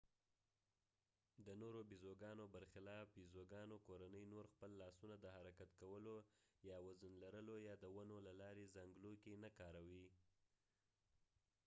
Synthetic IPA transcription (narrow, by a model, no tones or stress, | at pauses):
d̪ənoɾobizoɡɑnobəɾxɪlɑfbizoɡɑnokoɾanəjnoɾxpəlːɑsunad̪əhaɾakat̪kawəlojɑwazənlaɾəlojɑd̪əwanolalɑɾezaŋɡlokenakɑɾawi